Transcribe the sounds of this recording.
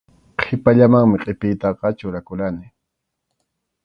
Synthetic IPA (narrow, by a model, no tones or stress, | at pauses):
qʰɪpaʎamaŋmɪqʼɪpɪjt̪ɑqɑt͡ʃʊɾakʊlanɪ